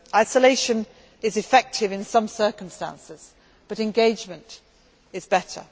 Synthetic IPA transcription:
aɪsəleɪʃə̃n | ɪzɨfɛk̚tʰɪvɨ̃nsʌ̃msɜˑ˞kə̃mstæ̰̃nsɪz̥ | b̥ʌɾɨ̃nɡeɪd͡ʒmə̃nt | ɪzbɛtə̰

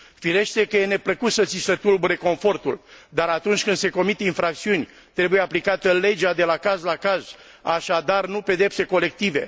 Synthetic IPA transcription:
fiɾe̞ʃt̪e̞kəje̞ne̞pləkut̪sət̪sisət̪ulbuɾe̞ko̞ɱfo̞rt̪uld̪aɾat̪unt͡ʃʲkɨnd̪se̞ko̞mit̪einfɾak̚t̪siunʲ | t̪ɾe̞buje̞aplikat̪əle̞d͡ʒead̪e̞lakazlakaz | aʃad̪arnupe̞d̪e̞pse̞ko̞le̞k̚t̪ive̞̰

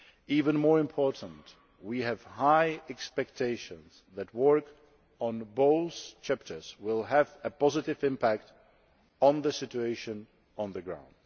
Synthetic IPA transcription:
ivə̃nmɔɹɨ̃mpʰɔɹʔn̩t | wiɨv̥haɪɛkspɛk̚tʰeɪʃə̃nz̥ | ðɨt̚wɜ˞k | ə̃nboʊθt͡ʃʰæp̚tʰə˞z̥wɪlˠɨvɨpʰɑzɨɾɪvɪ̃mpʰæk̚t | n̩ðɨsɪt͡ʃueɪʃɨ̃n | ə̃nðɨɡɹã̰ʊ̃nd̥

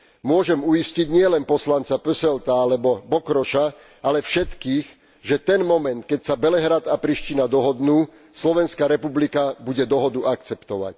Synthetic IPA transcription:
mʊɔʒɛmuisciɟɲɪɛlɛnpɔslant͡sapəsɛlt̪aalɛbɔbɔkɾɔʃa | alɛfʃɛt̪kiːx | ʒɛt̪ɛnmɔmɛnt̪̚kɛcsabɛlɛɦɾat̪apɾiʃcinad̪ɔɦɔd̪nuː | slɔʋɛnskaɾɛpublikabuɟɛd̪ɔɦɔd̪uʔakt͡sɛpt̪ɔʋa̰c

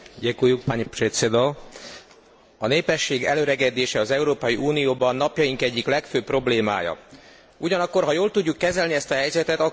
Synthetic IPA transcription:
ɟɛkujːuk̚paɲpret̪sed̪o | ɒneːpɛʃːeːɡɛ̰løɾɛɡɛd̪eːʃɛɒzɛuɾoːpɒjiʔuːnijoːbɒnːɒpjɒjiŋkɛɟːiklɛkføːpro̞bleːma̰ːjɒ̰ | uɟɒnɒkːo̞rɦɒjoːlt̪uɟːukːɛzɛlniɛst̪ɒɦɛjzɛt̪ɛt̪ɒ

